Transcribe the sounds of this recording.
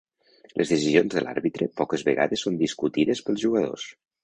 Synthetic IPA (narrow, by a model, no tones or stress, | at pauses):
lʔəzðəsizionzðəlʔa̰ɾβit̪ɾəpɔkəzβəɣa̰ðəsːond̪iskut̪iðəspəlˠzʒuɣəðo̰s